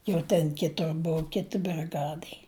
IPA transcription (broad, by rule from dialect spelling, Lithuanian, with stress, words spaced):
jɛʊ ˈtʲɛn ˈkʲɪtʊr ˈbʊʊ ˈkʲɪtʲɪ bʲrʲɪˈɡɑːdɐɪ